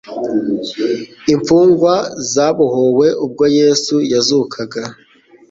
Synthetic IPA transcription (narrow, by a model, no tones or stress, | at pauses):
iɱfuːŋɡwazaːβuhowe̞ʔub̚ɡoje̞ːsujazukʰaɡa